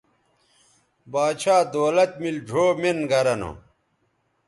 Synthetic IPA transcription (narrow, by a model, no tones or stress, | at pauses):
baːt͡ɕʰaːd̪oːlɐt̪milɖʱoːmenɡɐɾɐno̰